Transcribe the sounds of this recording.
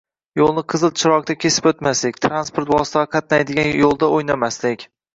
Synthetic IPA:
jolˠnɪqʰɨzɨlˠt͡ʃʰɪɾɒq̚t̪akʲʰe̞sɪ̥pɵt̪maslɪkʲt̪ʰɾanspoɾt̪vɒsɪ̥t̪ʰaʁqʰɑt̪̚najd̪ɪɡʲanjolˠd̪aojnamaslɪkʲ

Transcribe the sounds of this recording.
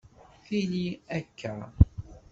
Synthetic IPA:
θiniækʰːa

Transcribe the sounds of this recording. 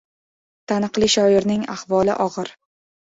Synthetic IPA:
t̪ʰanɨqlˠɪʃɒɪɾnɪŋa̰hvɒlˠɪʔɒʁɨɾ

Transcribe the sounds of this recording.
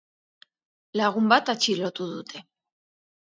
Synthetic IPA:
laɣumbat̪at͡ʃilot̪uðut̪ʰe̞

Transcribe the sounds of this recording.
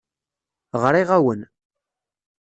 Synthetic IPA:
ʁɾiʁæwən

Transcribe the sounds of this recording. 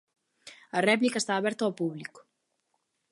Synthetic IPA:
ɐrɛplikɐest̪aːβɛɾt̪ɐawpuβlikʊ̥

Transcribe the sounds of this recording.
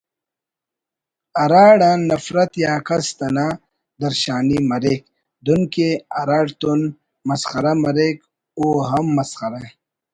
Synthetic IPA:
ɐɾaːɽaːɐfɾɐt̪jaːkɐst̪ɐna | d̪ɐɾɕaːnimɐɾek | d̪unkeɐɾaːɽt̪un | mɐsxɐɾɐmɐɾek | uːɦɐmːɐsxɐɾa

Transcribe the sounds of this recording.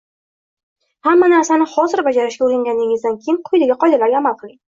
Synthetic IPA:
hamːanaɾsanɪχɒzɪɾbad͡ʒaɾɪʃkʲauɾɪŋɡʲanɪŋʲɪzd̪ankʲʰejɪmqʰʊjd̪aɡʲaqʰɒjd̪alaɾɡʲaːmalˠqʰɨlˠɪŋ

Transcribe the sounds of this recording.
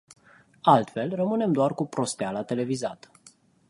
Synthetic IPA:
alt̪fe̞lrəmɨne̞md̪oarkupɾo̞st̪ealat̪e̞le̞vizat̪ə

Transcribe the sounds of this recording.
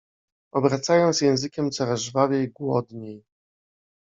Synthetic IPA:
ɔbɾat̪sajɔ̃ñt̪sʲjɛ̃w̃zɘkʲɛmt̪sɔɾazʐvavʲjejɡwɔd̪ɲej

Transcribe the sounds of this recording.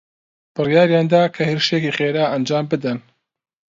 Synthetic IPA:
b̥ɨrjaːɾjaːnd̪aːkʰɐheɾʃekiχeːɾaːɐnd͡ʒaːmbɨd̪ɐn

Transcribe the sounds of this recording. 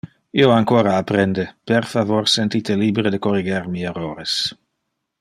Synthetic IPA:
ioaŋkoːɾaːpɾɛnd̪epeɾfavoɾsent̪it̪elibɾed̪əkoriɡeɾmieroːɾes

